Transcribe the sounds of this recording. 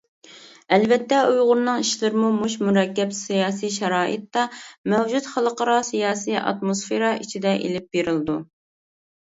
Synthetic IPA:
ɛlvɛt̪ːɛujʁʊɾnɨŋiʃlɪɾɪmumuʃmuɾɛkʲːɛpsijɑːsiʃɛɾɑːʔɨ̰t̪ːɑmɛwd͡ʒut̪χəlˠəqəɾɑsijɑːsiʔɑ̰t̪mosfeɾɑit͡ʃʰid̪ɛʔḛlɪp̚beɾɪlˠɨd̪u

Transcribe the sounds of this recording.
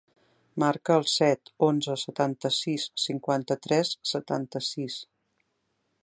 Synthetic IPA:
maɾkəːlˠsɛt̪onzəsət̪ant̪əsisːiŋkwant̪ət̪ɾɛsːət̪a̰nt̪əsis

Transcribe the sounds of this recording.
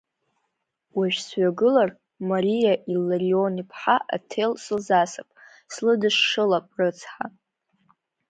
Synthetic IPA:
waʒᶣsɥaɡɨlar | maɾijaʔilaɾionipʰħaʔa̰tʰelsɨlzasapʼ | slɨdɨʂːɨlapʼrɨt͡sʰħa

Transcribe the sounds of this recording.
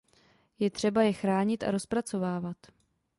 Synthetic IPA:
jɛt̪r̝̥ɛbajɛxɾaːɲɪt̪ʔa̰ɾo̞spɾat͡so̞vaːvat̪

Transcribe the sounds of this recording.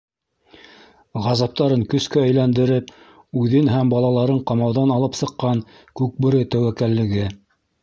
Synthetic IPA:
ʁɑzɑp̚t̪ɑɾɤŋkɵ̆skæɵ̆jlænd̪ɘ̆ɾɘp | ʉðɘnɦæmbɑlˠɑlˠɑɾɤɴqɑmɑwðɑnɑlˠɤpsɤ̆qːɑŋ | kʉk̚bɘ̆ɾɘt̪æwækælːɘ̆ɡɘ

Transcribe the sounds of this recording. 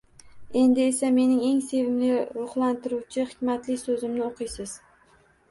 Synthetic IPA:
e̞nd̪ɪe̞same̞nɪŋe̞ŋse̞vɪmlɪɾʊχlˠant̪ɪɾuwt͡ʃʰɪχɪ̥kʲmat̪lɪsɵzɪmnɪoqʰɨjsɪz̥

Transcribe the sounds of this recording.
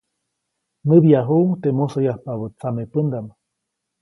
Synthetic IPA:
məbjaɦuuŋt̪emosojahpaβət͡samepənd̪am

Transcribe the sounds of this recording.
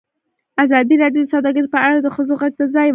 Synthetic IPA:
azɑd̪iɾɑɖjod̪əsɑd̪ɑɡəɾipəaɽad̪əxəzoɣaɡ̚d̪azɑjw

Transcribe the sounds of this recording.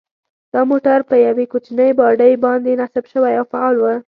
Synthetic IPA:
d̪̥ɑmoʈaɾpəjawekot͡ʃinəjbɑɖəjbɑnd̪enasabʃəwajawfaɑlwə

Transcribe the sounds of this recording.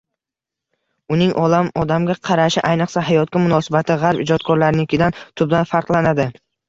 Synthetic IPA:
ʊnɪŋʔɒlamɒd̪amɡʲaqʰɑɾaʃɪʔajnɨqsaɦajɒt̪̚kʲamʊnɒsɪbat̪ʰɪʁɑɾpɪd͡ʒɒt̪̚kʰɒɾlaɾnɪɪkʰʲɪd̪ant̪ʰʊblanfaɾqlˠanad̪ɪ

